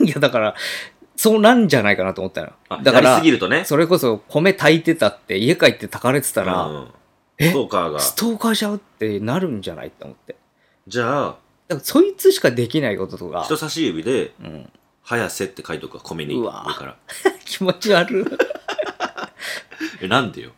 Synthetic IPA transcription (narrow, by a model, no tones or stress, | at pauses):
jad̪akaɾa | so̞ːnãɲ̟d͡ʑanaikanat̪omo̞t̪ːa̰no̰jo̰ad̪ajkaɾiɾiaɨɡʲiɾɯ̟t̪o̞neso̞ɾe̞ko̞so̞kʰo̞me̞t̪ʰait̪e̞t̪at̪ːe̞ie̞kait̪ːe̞t̪akaɾe̞t͡sɨ̥t̪aɾa̰ɯ̰̃ | e̞okaɡa̰si̥t̪o̞ːkaɕaɯ̟t̪ːe̞naɾɯ̟̃ɲ̟d͡ʑana̰it̪ːeo̰mo̞t̪ːe̞ | d͡ʑaː | d̪̥akaso̞it͡sɨɕi̥kad̪e̞kʲinaiko̞t̪o̞t̪o̞ka̰çt̪o̞saɕiɯbʲid̪e̞ɯ̟̰̃ɴ | hajase̞t̪ːekait̪o̞kɯ̟ɡakʰo̞mḛɲia̰ɾɯka̰ɾa̰kʲʰi̥mo̞t͡ɕiaɾɯ̟ | enãnd̪ḛjo̰